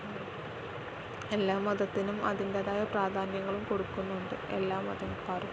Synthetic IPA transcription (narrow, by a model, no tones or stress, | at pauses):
e̞lːaːmːɐðɐt̪ːinumɐ̰ðindeðaːjɐpraːd̪ʱaːnjɐŋːɐɭumko̞ɽukːunːuuɳɖɨe̞̰lːaːmɐ̰ðumpaːru